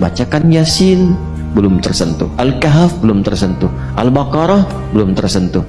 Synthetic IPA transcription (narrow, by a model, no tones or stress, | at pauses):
bat͡ʃakanjasɪn | bəlʊmt̪ərsənt̪ṵʔalkaɦafbəlʊmt̪ərsənt̪u | ʔalbakaɾɔh | bəlʊmt̪ərsənt̪u